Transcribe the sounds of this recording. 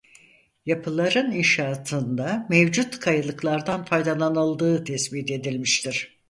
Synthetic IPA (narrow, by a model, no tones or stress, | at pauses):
japʰɯlˠaɾɯninʃaːt̪ʰɯnd̪amevd͡ʒut̪kʰajɯlˠɯklˠaɾd̪anfajd̪alˠanɯlˠd̪ɯːt̪ʰɛsbit̪e̞d̪ilʲmiʃt̪ʰiɾ̥